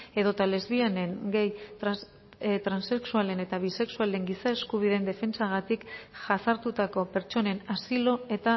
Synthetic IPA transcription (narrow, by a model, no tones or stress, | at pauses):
e̞ðo̞t̪ale̞zβiane̞ŋɡejt̪ | t̪ɾanse̞ksuale̞ne̞t̪aβise̞ksuale̞ŋɡisae̞skuβ̞ið̞e̞nd̪e̞fe̞nt͡saɣ̞at̪ikʝasaɾt̪ut̪ako̞pe̞ɾt͡ʃo̞ne̞nasilo̞e̞t̪a